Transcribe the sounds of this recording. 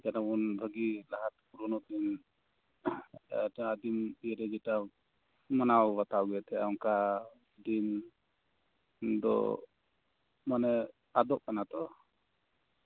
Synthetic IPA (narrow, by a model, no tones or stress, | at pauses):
d͡ʒɛnabunbʱəɡilaɦat̪̚kuɾunɔt̪in | aːd̪imiɛɾɛd͡ʒɛʈa | manawbat̪awɡɛɛt̪ɛja̰ɔŋka | d̪in | d̪ɔ̰ | manɛ | ad̪ɔʔ̚kanat̪ɔ